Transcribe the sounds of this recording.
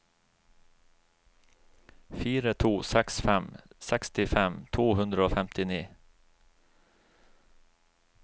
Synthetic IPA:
fyːɾət̪ʰuːsɛksfɛmsɛkst̪ɪfɛmt̪ʰvoːɦɵnd̪ɾəoːfɛmt̪ɪniː

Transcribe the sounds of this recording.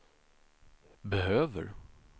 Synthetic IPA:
bɛɦøːvə̰ɾ

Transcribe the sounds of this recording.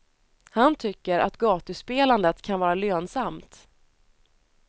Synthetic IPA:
hant̪ʰʏkːəɾʔa̰t̪ɡɑːt̪əspeːland̪ət̪kʰanvɑːɾaløːnsamt̪

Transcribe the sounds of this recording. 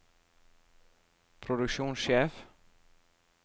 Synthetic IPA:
pʰɾɔðʉkʃjuːnsjɛːf

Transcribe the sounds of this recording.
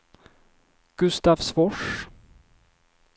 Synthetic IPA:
ɡ̥ɵst̪afsvɔʂ

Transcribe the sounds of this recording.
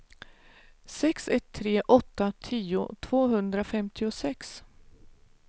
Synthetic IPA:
sɛksɛt̪ʰːɾeːʔɔt̪ːat̪ʰiːʊ̰t̪ʰvoːɦɵnd̪ɾafɛmt̪ʰɪʊsɛks

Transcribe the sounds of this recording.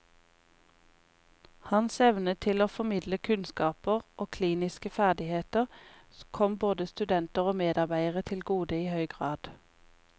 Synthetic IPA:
hɑnsɛʋnət̪ʰɪloːfɔmɪd̪ləkʰʉnskɑːpəʁʔoːkʰliːnɪskəfæʁd̪ɪheːt̪əʁ | kʰɔmboːd̪əst̪ʉd̪ɛnt̪əʁoːmeːd̪ɑʁbæɪəʁət̪ʰɪlɡuːd̪əiːhœʏɡʁɑːd̪̥

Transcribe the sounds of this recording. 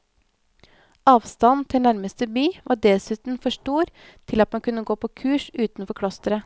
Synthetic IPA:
ɑːʋst̪ɑnt̪ʰɪlnæɾməst̪əbyːʋʔɑːɖɛsʉːt̪n̩fɔʂʈuːɾ | t̪ʰɪlɑt̪mɑnkʉnəɡoːpʰoːkʰʉːʃʉːt̪nfɔɾkʰɽɔst̪əɾə

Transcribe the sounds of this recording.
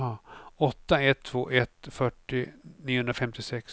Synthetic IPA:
ɔt̪ːaɛt̪ʰːvoːʔɛt̪fœʈːɪniːʊhɵnɾafɛmt̪ɪsɛks

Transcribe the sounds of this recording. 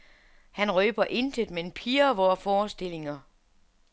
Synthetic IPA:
hænʁøːb̥ɐʔe̝nd̥ʰed̥mee̝npʰiːɐʋɒːfɒːsd̥e̝l̰e̝ŋɐ

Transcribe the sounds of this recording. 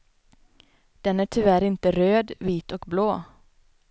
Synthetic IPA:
d̪̥ɛnæʈʰɪvæɾɪnt̪əɾøːd̪viːt̪ɔkbloː

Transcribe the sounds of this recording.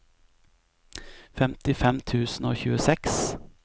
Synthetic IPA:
fɛmt̪ɪfɛmt̪ʰʉːsn̩oːçʉːəsɛks

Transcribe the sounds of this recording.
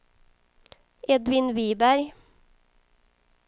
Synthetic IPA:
ʔɛd̪ʋɪnʋiːbæɾ

